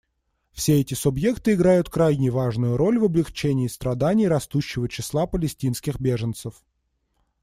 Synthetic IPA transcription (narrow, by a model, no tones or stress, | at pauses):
fsʲeɛtʲɪsʊbje̞kt̪ɨɪɡɾajʊt̪kɾajnʲɪjəvaʐnʊjʊɾo̞lʲvɐblʲɪxt͡ɕenʲɪːst̪ɾɐd̪anʲɪjɾɐst̪uɕːɪvət͡ɕɪslˠapəlʲɪsʲtʲinskʲɪxbʲe̞ʐənt̪səf